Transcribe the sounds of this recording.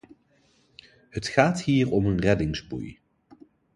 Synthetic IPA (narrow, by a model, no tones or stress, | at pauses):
ɦətχaːthiːɹɔmənrɛdɪŋzbṵj